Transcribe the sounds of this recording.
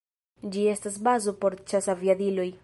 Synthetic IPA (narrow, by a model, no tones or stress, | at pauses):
d͡ʒie̞stas̬bazopo̞ɾt͡ʃasaviadilo̞j